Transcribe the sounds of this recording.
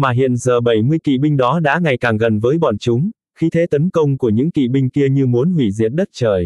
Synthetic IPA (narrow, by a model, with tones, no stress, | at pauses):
maː˨˩ɦḭ˧˨ənzəː˨˩ɓə˧˩jmɨ˧əjkḭ˧˨ɓï˧ŋ̟ɗɔ˨˦ɗa̰ː˧˥ŋa˨˩jkaː˨˩ŋɣə˨˩nvəː˨˦jɓɔ̰˧˨nt͡ɕʊ˨˦ŋ͡m | xi˧t̪ʰe˨˦t̪ə˨˦nkə˧wŋ͡mku˧˩əɲɨ̰˧˥ŋkḭ˧˨ɓï˧ŋ̟ki˧əɲɨ˧mu˨˦ənhwi˧˩zi˧˨ət̚ɗə˦˥t̚t͡ɕəː˨˩j